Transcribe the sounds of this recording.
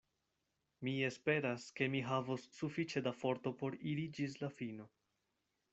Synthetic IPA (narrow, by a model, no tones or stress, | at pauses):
mie̞spe̞ɾaske̞miɦavosːufit͡ʃe̞dafo̞ɾt̪o̞po̞ɾiɾid͡ʒislafino̞